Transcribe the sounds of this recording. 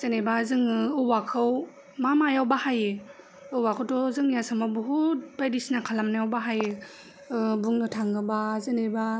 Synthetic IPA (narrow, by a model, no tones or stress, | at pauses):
z̥ɯnebazɯŋɯɯwakʰɯw | mamajawbahajɯ | ɯwakʰɯwtɔzɯŋjasamabuɦut̚bajdisnakʰalamnajawbaɦaje | buŋnɯtʰaŋɯbazɯneba